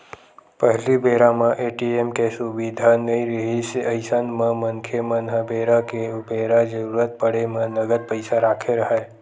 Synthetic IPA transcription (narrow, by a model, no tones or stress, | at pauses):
pəɦlibʱeɾamãʔeʈiemkesuʋid̪ʱanəiɾəɦiseəjsanmãməŋkʰemənɦəbʱeɾakeubeɾad͡ʒəɾuɾət̪̚pəɽemãnəɡəd̪̚pəjsaɾakʰeɾəɦae